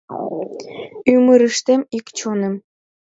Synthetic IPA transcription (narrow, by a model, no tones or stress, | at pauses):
ymɨɾɯʃt̪emikt͡ɕʰonɘ̆m